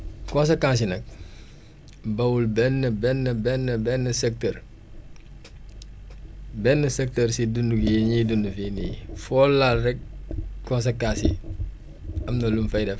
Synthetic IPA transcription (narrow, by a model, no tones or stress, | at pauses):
kõns̬ekãːs̬inɐk̚ | bɐwulbɛnːəbɛnːəbɛnːəbɛnːəsɛk̚təɾ | bɛnːəsɛk̚təɾsidundukijeɲidundufiniːfɔlalrɛk̚kɔ̃ns̬ekãːsḭ | ɐmnɐlumfɐjdɛf